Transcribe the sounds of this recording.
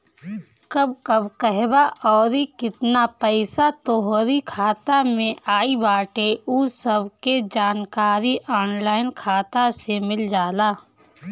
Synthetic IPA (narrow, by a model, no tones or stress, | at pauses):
kɐbkɐbkəɦbaʔɔːɾikɪt̪napɛɪsat̪oɦoɾikʰaːt̪amẽʔaːibaːʈeʔuːsəbked͡ʒaːnkaːɾiʔɔːnlaːɪnkʰaːt̪asemɪld͡ʒaːlaː